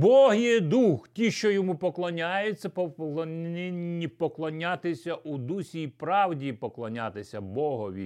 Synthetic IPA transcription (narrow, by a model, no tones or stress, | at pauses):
bɔɦjɛd̪uxtʲiʃt͡ʃɔjɔmupɔklˠɔnʲajʊt͡sʲːɐpɔlˠɔnɪnʲːipɔklˠɔnʲat̪ɪsʲɐʔud̪usʲijpɾɑwdʲipɔklˠɔnʲat̪ɪsʲɐbɔɦɔʋʲḭ